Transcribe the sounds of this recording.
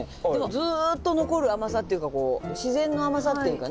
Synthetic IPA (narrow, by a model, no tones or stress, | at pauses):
d̪emozɨt̪ːo̞no̞ko̞ɾɯ̟amasat̪ːejiɯ̟kako̞ːɕizẽ̞nːo̞amas̬at̪ejɯ̟kan